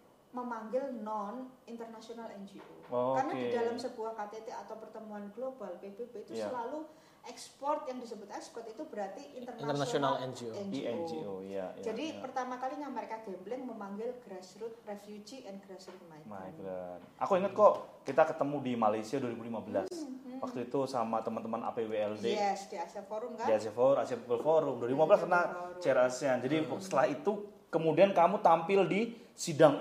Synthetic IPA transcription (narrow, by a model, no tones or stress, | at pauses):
məmaŋɡɪlnɔnint̪ərnasionalɛnd͡ʒiʔookarnadidalamsəbuahkat̪et̪eat̪awpərt̪əmuanɡlobalpeb̥ebeit̪usəlalu | ʔɛkspɔrt̪jaŋdisəbʊt̪ɛkspɔrt̪it̪ubəɾart̪iʔint̪ərnat̪ənasionalɛnd͡ʒioɛndiɛnd͡ʒioja̰jd͡ʒadipərt̪amakaliɲaməɾekaɡ̥amblɪŋməmaŋɡɪlɡ̥ɾasɾʊt̪̚refjud͡ʒiʔɛnɡɾasɾʊt̪̚majmajɡɾana̰kuiŋət̪̚kɔʔkit̪akət̪əmudimalajsiaduaɾibulimabəlaswak̚t̪uit̪usamat̪əmant̪əmanʔa̰peweɛldeɛsd̥iasiafoɾʊmkadiasiafoɾasiapipəlfoɾʊmduaɾibimabəlaskaɾənat͡ʃɛɾasiand͡ʒadisə̥t̪əlahit̪u | kəmudiankamut̪ampɪldi | sidaŋ